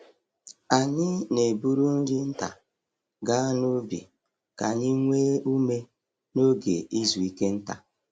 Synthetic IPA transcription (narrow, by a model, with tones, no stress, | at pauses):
a˨ɲɪ˦ne˨bu˦ɾu˦ŋ̩˦ɡɪ˦n̩˦ta̰˨ | ɡa˦no˦bḭ˨ | ka˨ɲi˦ŋʷeː˦u˦me˦ | no˦ɡe˨ʔi˦zu˨i˦ke˦n̩˦ta̰˨